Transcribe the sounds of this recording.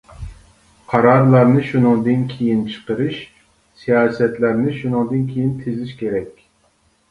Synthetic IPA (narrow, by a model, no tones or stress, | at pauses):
qʰɑɾɑɾlˠɑɾnɨʃunɨŋd̪ɨnkʲʰejint͡ʃʰə̥qəɾɨʃ | sijɑːsɛt̪læɾnɪʃunɨŋd̪ɨnkʲʰejint̪ʰezɪʃkʲeɾɛkʲ